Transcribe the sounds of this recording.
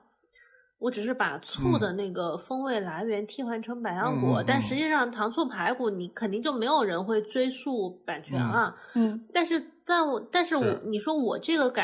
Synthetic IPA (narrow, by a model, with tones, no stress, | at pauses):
wɔ˧˥ʈ͡ʂɻ̩˨˩ʂ̬ɻ̩˥˩pa̰˨˩t͡sʰu˥˩d̪ə˩na˥˩ɪɡə˩fɤ˥ŋwe˥˩ɪla˧˥ɪɥɛ˧˥nt̪ʰi˥xwa˧˥nʈ͡ʂʰɤ˧˥ŋpa˨˩ɪjɑ˥˧ŋkwɔ̰˥˩t̪a˥˩nʂɻ̩˧˥t͡ɕi˥˧ʂɑ˥˩ŋt̪ʰɑ˧˥ŋt͡sʰu˥˩pʰa˧˥ɪku˨˩ni˧˥kʰə˨˩nt̪i˥˧ŋt͡ɕjo˥˩ʊme˧˥ɪjo˨˩ʊɻə˧˥nxwe˥˩ɪt͡swe˥ɪsu˥˩pa˨˩nt͡ɕʰɥɛ̰˧˥nlɐ˧˥˩t̪a˥˧nʂɻ̩˥˧t̪a˥˩nwɔ˨˩t̪a˥˧nʂɻ̩˥˩wɔ˨˩ni˨˩ʂwɔ˥wɔ˨˩ʈ͡ʂɤ˥˩ɡə˩ka˨˩